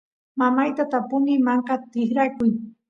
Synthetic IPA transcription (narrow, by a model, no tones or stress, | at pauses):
mamajt̪at̪apʊmɪmaɴqɑt̪ɪxɾakʊj